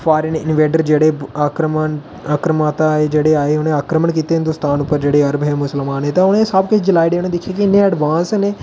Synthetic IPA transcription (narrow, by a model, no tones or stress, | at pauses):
fʰaːɾənɪnʋeːɖəɾd͡ʒeːɽeːaːkɾəmən | aːkɾəmaːt̪aed͡ʒeːɽeaːeʊnẽaːkɾəməɳkiːt̪eɦɪ̃nd̪ʊst̪aːnʊpːəɾd͡ʒeːɽeːɐɾbɦɛːmʊsəlmaːnɦeːt̪aʊnẽːsaːbkɪd͡ʒɪlaːiɖeːoñẽːd̪ɪkʰːjeaːkiɪnːẽəɖʋaːnsneː